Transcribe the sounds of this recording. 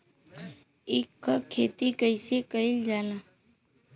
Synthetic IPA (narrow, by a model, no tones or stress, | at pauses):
ekʰːəkʰet̪ikəjsekəild͡ʒana